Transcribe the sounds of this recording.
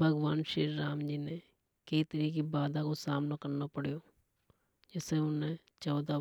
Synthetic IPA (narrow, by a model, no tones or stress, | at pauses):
bʱəɡʋaːnʃeːɾːaːmd͡ʒiːne | kəit̪əɾiːkibaːd̪akosaːmnokəɾnopəɽjoː | d͡ʒɪseʊnẽ | t͡ʃɔːd̪a